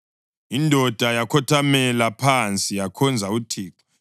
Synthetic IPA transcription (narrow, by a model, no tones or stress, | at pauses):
indʱɔd̥ʱajakʰɔtʰamɛlapʰant͡sʼijakʰɔnd͡zʱautʰiːkʰɔ̥